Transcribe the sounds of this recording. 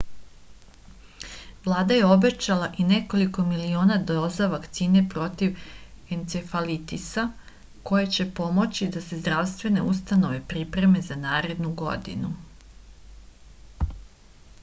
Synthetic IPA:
ʋlˠaːd̪aje̞o̞be̞t͡ɕalaʔine̞ko̞liko̞milio̞ːnad̪o̞zaʋakt̪siːne̞pɾo̞t̪iʋent̪sefalit̪isa | ko̞jet͡ɕe̞po̞mo̞t͡ɕid̪ase̞zd̪ɾaʋst̪ʋe̞ne̞̰ust̪ano̞ʋe̞pɾipɾe̞me̞zanaːɾe̞d̪nuɡo̞̰d̪ḭnu

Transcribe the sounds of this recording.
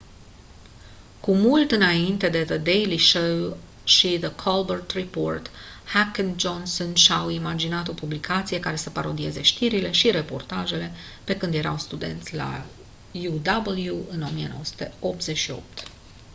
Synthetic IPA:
kumult̪ɨnaint̪e̞d̪e̞ðəd̪ejliʃow | ʃiðəkʰolbərt̪riport̪ | hakənd͡ʒonsonʃawimad͡ʒinat̪o̞publikʰat̪sije̞kaɾe̞səpaɾo̞d̪ie̞ze̞ʃt̪iɾile̞ʃiɾe̞po̞̰rt̪aʒe̞le̞ | pe̞kɨnd̪je̞ɾawst̪ud̪e̞̰nt̪sʲla̰ | jud̪abəljuɨno̞mijeno̞wəsu̥t̪e̞o̞p̚t̪ze̞ʃio̞̰p̚t̪

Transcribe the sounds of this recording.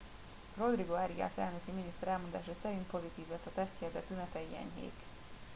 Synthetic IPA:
ro̞d̪riɡoɛɾiɡa̰ːsɛ̰lnøkiminist̪ɛɾɛlmo̞nd̪a̰ːʃɒsɛɾint̪po̞zit̪iːvlɛt̪ːɒt̪ɛst̪cɛd̪ɛt̪ynɛt̪ɛiɛ̰ɲɦḛːk

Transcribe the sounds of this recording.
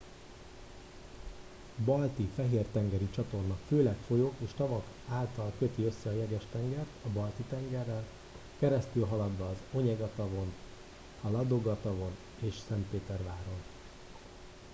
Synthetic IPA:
bɒlt̪ifɛɦeːrt̪ɛŋɡɛɾit͡ʃɒt̪o̞rnɒkføːlɛkfo̞joːkeːʃt̪ɒvɒk | aːlt̪ɒlkø̞t̪iø̞sːɛɒjɛɡɛʃt̪ɛŋɡɛrt̪ɒbɒlt̪it̪ɛŋɡɛrːɛl | kɛɾɛst̪ylɦɒlɒd̪ʋɒːzo̞ɲɛɡɒt̪ɒvo̞n | hɒlɒd̪o̞ɡɒt̪ɒvo̞n | eːʃsɛnt̪peːt̪ɛrvaːɾo̞n

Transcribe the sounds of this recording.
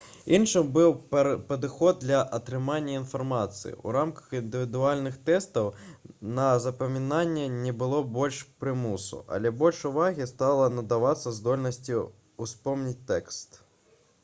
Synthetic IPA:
inʂɨbɨwpɐd̪ɨxɔd̪̚dlʲɐʔɐt̪ɾɨmanʲːɐinfarmat̪sɨ̰jḭṵɾamkɐ̥xind̪ɨvʲid̪ualʲnɨxt̪ɛst̪ɐwnɐzɐpɐmʲinanʲːɛnʲɛbɨlˠɔbɔlʲʂpɾɨmusṵʔɐ̰lʲɛbɔlʲʂuvaɣʲist̪alˠɐnɐd̪avat̪sːɐzd̪ɔlʲnɐsʲt͡sʲi | uspɔmnʲit͡sʲt̪ɛkst̪

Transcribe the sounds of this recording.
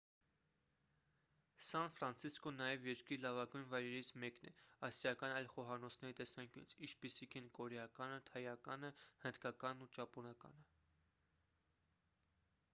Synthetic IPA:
sɑnfɾɑnt͡sʰiskɔnɑjɛvjɛɾkɾilɑvɑɡujnvɑjɾɛɾit͡sʰmɛknɛ̰ɑsjɑkɑnɑjlχɔɦɑnɔt͡sʰnɛɾit̪ɛsɑŋkjṵt͡sʰit͡ʃʰpisikʰɛnkɔɾɛɑkɑnət̪ʰɑjɑkɑnəhənd̪kɑkɑnːut͡ʃɑpɔnɑkɑ̰nə

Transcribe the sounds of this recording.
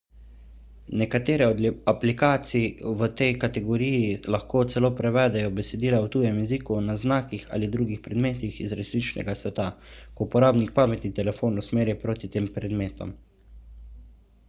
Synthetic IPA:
nɛkat̪eːɾɛɔd̪aplikaːt̪siʋət̪ɛjkat̪ɛɡɔɾijilaxkoːt̪sɛloːpɾɛʋɛːd̪ɛjɔbɛsɛd̪iːlawt̪uːjɛmjɛziːkunaznaːkixa̰ːlid̪ɾuːɡixpɾɛd̪meːt̪ixizɾɛsliːt͡ʃnɛ̰ɡasʋɛt̪akopɔɾaːbnik̚paːmɛt̪nit̪ɛlɛfoːnusmeːɾjipɾoːt̪it̪eːmpɾɛd̪meːt̪ɔ̰m

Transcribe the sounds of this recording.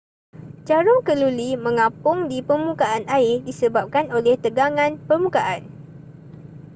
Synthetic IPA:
d͡ʒaɾʊŋkəlulimə̃ŋãpʊŋdipərmũkaʔanaɪdisəbap̚kanolɛht̪əɡaŋãnpərmũkaʔan

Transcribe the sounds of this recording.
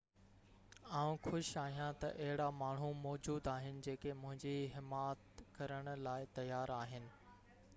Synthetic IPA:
aːũxʊʃaːɦijãt̪ɐ̰ʔɐɦɪɽamaːɳ̤umɔːd͡ʑuːd̪aːɦɪnɪ̆d͡ʑeːkemʊ̃ɦɪ̃ɲd͡ʑiɦɪmaːt̪kɐɾəɽ̃ʊ̆laːɪt̪ɐjaːɾaːɦɪnɪ̆

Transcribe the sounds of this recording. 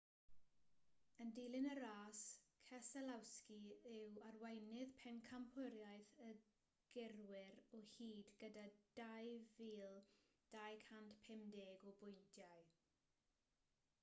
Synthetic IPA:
əndejlˠɪnəɾaːskʰɛsɛlawskiɪwarwɛjnɪðpʰɛnkʰamhɪɾjajθə | ɡ̥ɪrwɪɾɔhiːdɡədad̥ajviːlˠd̥ajkʰantpʰɛmdeːɡɔbʊjndjaj

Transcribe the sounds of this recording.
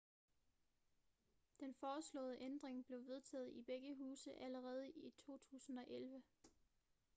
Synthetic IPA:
d̥enfɒːslɔ̰̽ːðˠəʔend̥ʁeŋb̥le̝ʊʋe̝ð̞ˠt͡sʰɛ̰ːð̩ˠib̥eɡ̥əɦuːsəʔæləʁɛːð̞ˠəʔit͡sʰo̝̰ːt͡sʰṵːsn̩ɒ̽ʔelʋə

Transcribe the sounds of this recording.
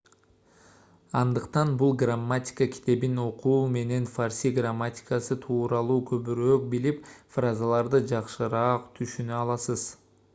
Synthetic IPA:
ɑnd̪ɯqt̪ɑnbulˠɡramːatʲɪ̥kəkʲʰi̥t̪e̞bino̞qʰuːme̞ne̞nfarsʲiɡramːatʲɪ̥kasɯt̪ʰuːɾɑlˠuːkʰɵ̞βyɾøk̚bilipfrazalˠɑɾd̪ɯd͡ʒɑqʃɯɾɑːqt̪ʰyʃynøɑlˠɑsɯz̥

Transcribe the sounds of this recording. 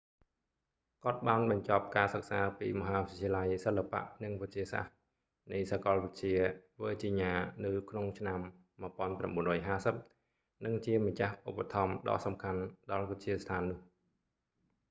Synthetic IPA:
kŏət̪̚ɓaːnɓɑɲt͡ɕɑp̚kaːsək̚saːpḭːmɔɦaːʋɨt͡ɕʰiəlajsəlːapa̰ʔnɨŋʋət͡ɕiəsa̰h | nɨjsakɑlʋɨc̚t͡ɕiəʋəːt͡ɕiɲaːnɨwkʰnoŋt͡ɕʰnamː | ɨəpŏənpra̰mɓuənrɔːjɦaːsəp̚ | nɨŋt͡ɕiəmat͡ɕahʔupːat̪ʰɑmɗɑ̰ːʔsɑmkʰanɗɑlʋət͡ɕiəst̪ʰaːnːʊ̆əh

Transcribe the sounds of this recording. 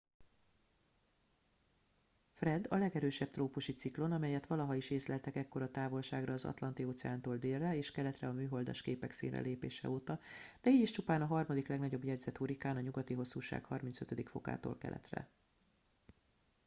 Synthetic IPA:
frɛd̪ɒlɛɡɛɾøːʃɛp̚t̪roːpuʃit̪siklo̞nɒmɛjɛt̪ʋɒlɒɦɒiʃeːslɛlt̪ɛkɛkːo̞ɾɒt̪aːvo̞lʃaːɡrɒːzɒ̰t̪lɒnt̪ioːt̪sɛaːnt̪oːld̪eːrːɛeːʃkɛlɛt̪rɛɒmyːɦo̞ld̪a̰ːʃkeːpɛksḭːnrɛ̰lʔeːpeːʃɛ̰oːt̪ɒd̪̥ɛiːɟiʃt͡ʃupaːnɒɦɒrmɒd̪iklɛɡnɒɟo̞bjɛɟzɛt̪huɾikaːnɒɲuɡɒt̪iɦo̞sːuːʃa̰ːkhɒrmint̪søt̪ød̪ikfo̞̰ka̰ːt̪o̰ːlkɛ̰lɛ̰t̪rɛ̰

